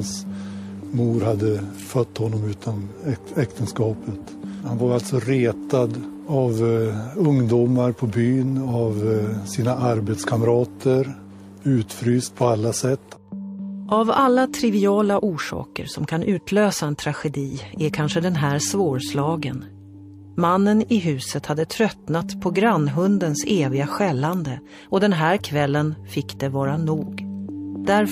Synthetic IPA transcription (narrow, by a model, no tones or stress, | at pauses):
hns | muːɾhad̪ːəfœt̪ːhɔnːɔmʉ̟ːt̪ʰanɛkt̪ənskɑːpət̪ | hanvaɾalt̪sɔɾeːt̪ad̪avɵŋd̪uːmaɾpʰɔbyːnavsiːnaʔaɾbeːt̪skʰaməɾɑːt̪ʰəɾ | ʉ̟ːt̪fɾyːst̪̚pʰɔalːasɛt̪ː | ʔavalːat̪ʰɾɪvɪɑːlaʔuːʂɑ̰ːkə̰ɾsɔmkʰanʔʉ̟ːt̪ʰløːsaɛnt̪ʰɾaɧɛd̪iːækʰanʂəd̪ɛnɦæːɾsvoːɾslɑːɡən | manːənɪɦʉ̟ːsət̪had̪ːət̪ʰɾœt̪nat̪pʰɔɡɾanːɦɵnd̪ənseːvɪɡaɧɛlːand̪ə | ɔd̪ɛnɦæːɾkʰvɛlːənfɪkːd̪ɛvɑːɾanuːɡd̪æɾ